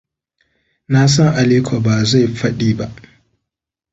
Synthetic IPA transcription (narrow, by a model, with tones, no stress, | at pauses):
na˦sɐ˦ŋʔa˨leː˦kʷʰo˨baː˨za˦˨jɸɐ˦ɗiː˦ba˦ʔ